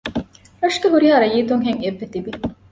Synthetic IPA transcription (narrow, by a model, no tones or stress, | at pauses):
ɾɐʂɡeɦuɾiɦaːɾɐjiːt̪uŋɦeŋebːet̪ibi